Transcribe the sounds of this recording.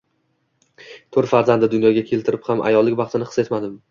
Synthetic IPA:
t̪ʰoɾt̪faɾzand̪ɪd̪ʊnjɒɡʲakʲʰe̞lt̪ʰɪɾɪphamʔa̰jɒlˠːɪkʲbɑχt̪ʰɪnɪqʰɨ̥se̞t̪mad̪ɪm

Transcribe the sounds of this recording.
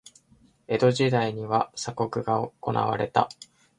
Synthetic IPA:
e̞d̪o̞ʑid̪aiɲ̟iβasako̞kɯ̟ɡaoko̞nʔa̰βa̰ɾe̞t̪a̰

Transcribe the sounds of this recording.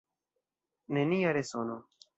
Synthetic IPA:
nenijaɾesoːno

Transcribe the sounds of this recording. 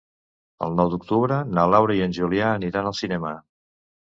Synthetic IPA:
ə̰lˠnɔwd̪uk̚t̪uβɾənalawɾaiənʲʒuljaːniɾanəlˠsinɛmə

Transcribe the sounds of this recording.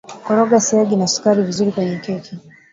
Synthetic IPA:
kɔɾɔɡasiaɡinasu̥kaɾivizuɾikwɛɲɛkɛkʰi

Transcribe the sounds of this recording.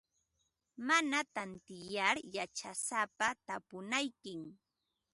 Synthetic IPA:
manat̪ant̪ɪjaɾjat͡ʃasapat̪apʊnajkɪm

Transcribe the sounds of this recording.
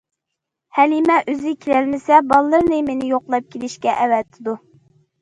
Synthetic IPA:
hælimɛʔøzɪkʲʰelælmɪsɛbɑlˠːəɾnɨmenɪjoqlˠɑp̚kʲʰelɪʃkʲɛʔɛwɛt̪ʰːɪd̪u

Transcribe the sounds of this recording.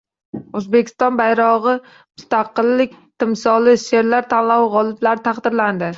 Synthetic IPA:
ɵzbe̞kʲʰɪ̥st̪ɒnbajɾɒʁɨ | mʊst̪ʰaqɨlːɪkʲt̪ʰɪmsɒlɪʃe̞ɾlaɾt̪ʰanlawʁɒlˠɪblaɾɪt̪ʰaχd̪ɪɾland̪ɪ

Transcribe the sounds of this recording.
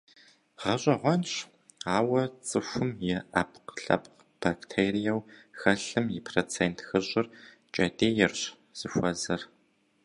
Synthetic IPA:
ʁɐɕʼɐʁʷɔnɕ | aːwɐt͡sʼɨxʷʊmjɛʔɐpqɬɐ̰pq | b̥aktʰeːrijɐwxɐɬɨmipʰrot͡sʰeːntʰxɨɕʼɪr | t͡ʃʼɐdʼeːjɛrɕ | z̥ɨxʷɐzɐr

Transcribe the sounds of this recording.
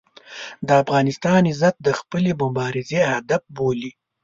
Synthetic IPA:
d̪əafɣɑnɪst̪ɑnɪzat̪̚d̪əxpəlebʊmbɑɾɪzehad̪afboli

